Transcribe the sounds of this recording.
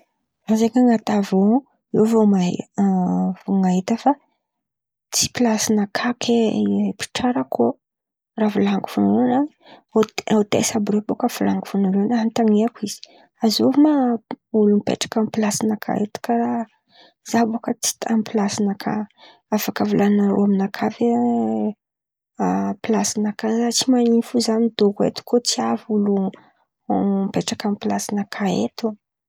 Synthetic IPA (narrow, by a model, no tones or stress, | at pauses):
azeŋaŋat̪avo | evoma | voŋaɦit̪əfa | t͡si̥pilasinəkʰakʰepi̥ʈ͡ʂaɾəkʰo | ravulaŋɡu̥funuɾunani | ot̪ḛsabɾobokəfulaŋɡufunuɾenaɦant̪aŋeakʷiz̥i̥ | azovmaulumpḛʈ͡ʂḁkampilasinakʰa̰ḛt̪u̥kaɾa | z̥abokət͡si̥t̪amipilasinakʰa̰ | afakavulanaɾoaminakʰave | pilasinakazat͡simanifuzanid̪okḛt̪u̥kot͡siavulu | mpeʈ͡ʂakampilasinakʰaḛt̪u